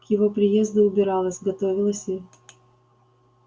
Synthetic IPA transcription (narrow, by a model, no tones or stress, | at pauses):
kjɪvo̞pɾʲɪje̞zd̪ʊʊbʲɪɾɑlˠəsʲɡɐt̪o̞vʲɪlˠəsʲɪ